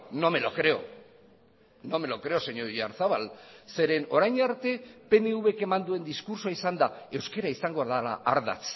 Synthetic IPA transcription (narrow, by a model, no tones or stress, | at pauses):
no̞melokɾe̞o̰ | no̞melokɾe̞o̞seɲoiaɾθaβalse̞ɾe̞no̞ɾajɲaɾt̪e̞pe̞neuβe̞ke̞mand̪ue̞nd̪iskuɾsoaisand̪ae̞wske̞ɾaisaŋɡo̞aðala̰ʔaɾða̰t͡s